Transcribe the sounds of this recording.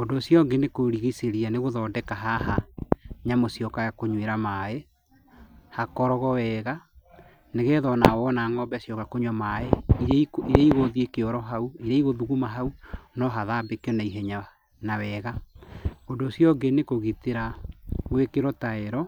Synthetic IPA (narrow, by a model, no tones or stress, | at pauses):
ondoːsjɔɡenekoɾiɣiseɾianeɣoðɔːdɛkaɦaɦaɲamosjɔkajakoɲweɾamae | hakɔɾɔɣɔwɛːɣa | neɣɛðɔnawɔnaːŋɔbɛsjɔkakoɲwamaeiiɾeiɣoðiekeɔɾɔɦauiɾeiɣoðuɣumaɦaunɔɦaðabekjɔnaiɦɛɲa | nawɛɣa | ondoːsjɔɡenekoɣiteɾaɣwekeɾɔtaeɾɔ